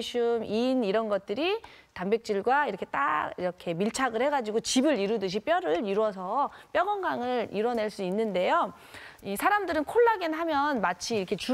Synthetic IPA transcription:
ɕʰuminiɾʌnɡʌt̚t͈ɯɾi | tambek̚t͡ɕ͈iɭɡwaiɾʌkʰet͈a̰ɡiɾʌkʰe̞miɭt͡ɕʰaɡɯɭhe̞ɡad͡ʑiɡot͡ɕibɯɾiɾudɯɕ̬ʰip͈jʌɾɯɾiɾwʌs̬ʰʌp͈jʌɡʌŋɡaŋɯɭiɾwʌne̞ɭs͈uinːɯnde̞jo | isʰaɾamdɯɾɯnkʰoɭːaɡinɦamjʌnmat͡ɕʰiːɾʌkʰe̞t͡ɕu

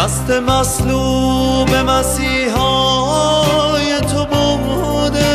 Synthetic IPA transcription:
æst̪emæsluːmemæsiːɦɔːɦ | jet̪ʰobomo | d̪e

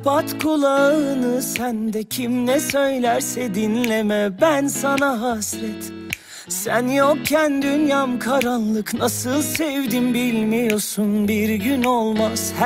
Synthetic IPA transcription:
pʰat̪kʰulˠaɯnɯsænd̪ɛcʰimnɛsø̞jlʲæɾsɛd̪inlʲemɛbænsanaɦasɾɛt̪ | sænjok̚cʰːænd̪ynjamkʰaɾanlˠɯknasɯlˠsɛvd̪inbilʲmijo̞sunbiɾɟynolˠmaz̥h

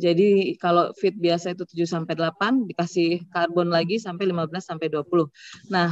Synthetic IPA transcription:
d͡ʒadikalofɪt̪̚biasait̪ut̪ud͡ʒusampajdəlapandikasɪhkarbɔnlaɡisampajlimabəlasampajduapulʊhnah

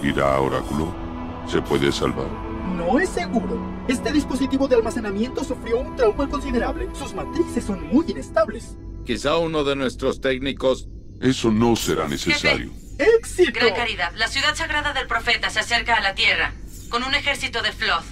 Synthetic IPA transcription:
ḭɾa̰a̰o̰ɾa̰kulo | se̞pwe̞ðḛsa̰lβa̰ɾ | no̞esːe̞ɣuɾo̞ | e̞st̪eðispo̞s̬it̪iβo̞ðealmase̞namje̞nt̪o̞sufɾjo̞unt̪ɾawmolko̞ns̬iðe̞ɾaβle̞suzmat̪ɾisesːo̞nmujine̞st̪aβle̞s | kisauno̞ðe̞nwe̞st̪ɾo̞st̪ekniko̞s | e̞so̞no̞seɾa̰nesesa̰ɾjo̰ | eksitɡɾakaɾiðaðlasjuðaðsaɣɾaðaðe̞lpɾo̞fet̪asease̞ɾkaːlat̪je̞ra | ko̞nune̞xe̞ɾsit̪oðefloθ

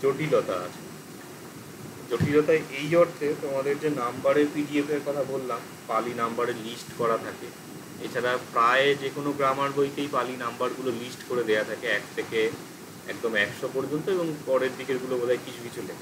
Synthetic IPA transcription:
d͡ʑoʈilɔt̪a̰a̰t͡ɕʰe̥ | d͡ʑoʈilɔt̪aeʔejɔɾt̪ʰet̪omad̪eɾd͡ʑenambaɾeɾpiɖiefeɾkɔt̪ʰabolːam | palinambaɾeɾlisʈkɔɾat̪ʰake | ḛt͡ɕʰaɾapɾaed͡ʑekonoɡɾamaɾbʱojk̪ejpalinambaɾɡulolisʈkoɾed̪eat̪ʰakeɛk̚t̪ʰeke | ɛ̰k̚d̪omɛkʃopɔɾd͡ʑont̪oeboŋpɔɾeɾd̪ikeɾɡulobolʱaekit͡ɕʰukit͡ɕʰulekʰa

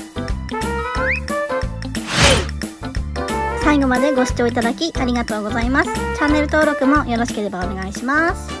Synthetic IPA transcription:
saiɡo̞mad̪e̞ɡo̞ɕi̥t͡ɕo̞ːit̪ad̪akʲiʔaɾʲiɡat̪o̞ːɡo̞zaimasɨ̥t͡ɕanːe̞ɾɯ̟t̪o̞ːɾo̞kɯ̟mo̞jo̞ɾo̞ɕi̥ke̞ɾe̞baone̞ɡaiɕimasɨ̥

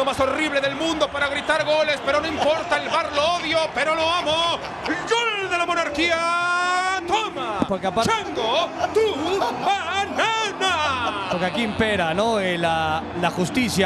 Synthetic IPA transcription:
omaso̞riβleðe̞lmũnd̪o̞paɾaɣɾit̪aɾɣo̞le̞spe̞ɾo̞noimpo̞ɾt̪aelβaɾlooðjo̞pe̞ɾo̞lo̞amo | ɡold̪e̞lamo̞naɾkia | t̪omapoɾkeapaɾand̪ot̪ubananapoɾkeakimpeɾanoelalaxust̪isja

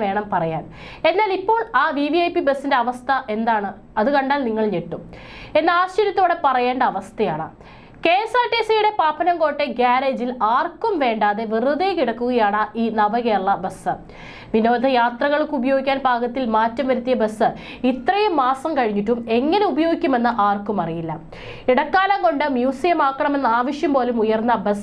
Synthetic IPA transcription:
ʋe̞ːɳɐmpɐrɐja̰ːn | e̞nːaːlipːo̞ːɭaːʋiʋiɐjpibɐsːinde̞ɐʋɐst̪ʰɐʔe̞nd̪aːɳɨ | ɐðɨkɐɳɖaːlniŋːɐɭɲeʈːum | e̞nːɐaːɕt͡ɕɐɾjɐt̪ːo̞ːɽe̞pɐrɐje̞ːɳɖɐɐʋɐst̪ʰɐjaːɳɨ̰ | ke̞ːsaːtːeːsɐjuɽe̞paːpʰɐnɐmko̞ːʈːe̞ɡaːɾeːd͡ʑilaːrkːɐmʋe̞ːɳɖaːðeʋiruðekiɽɐkːuɣɐjaːɳɐʔiːnɐbɐɣeːrɭːɐbɐsɨ | ʋino̞ːd̪ʱɐjaːt̪rɐɣɐɭkːubɐjoːɡikʲːaːnbʱaːɡɐt̪ːilmaːtːɐmʋɐɾut̪ːijɐbɐsːɨ | it̪rɐjɐmaːsɐmkɐɻiɲːiʈːume̞ŋːɐne̞ubɐjoːɡikʲːume̞nːɨʔaːrkumɐrijilːɐ̰ | iɽɐkːaːlɐŋko̞ɳɖɨmjuːsijɐmaːkːɐɳɐme̞nːɐaːʋɐʂjɐmpo̞ːlumujɐrnːɐbɐs

